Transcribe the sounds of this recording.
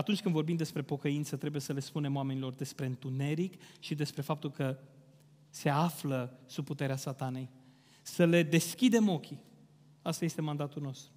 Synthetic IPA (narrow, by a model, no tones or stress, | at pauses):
at̪unt͡ʃʲkɨnd̪vo̞rbimd̪e̞spɾe̞po̞kəint̪sət̪ɾe̞buje̞səle̞spune̞moame̞nilo̞rd̪e̞spɾe̞ɨnt̪une̞ɾikʃid̪e̞spɾe̞fap̚t̪ulkə | se̞afləsub̚put̪e̞ɾeasat̪ane̞j | səle̞d̪e̞skʲid̪e̞mo̞kʲi | ast̪aje̞st̪e̞mand̪at̪ulno̞st̪ɾu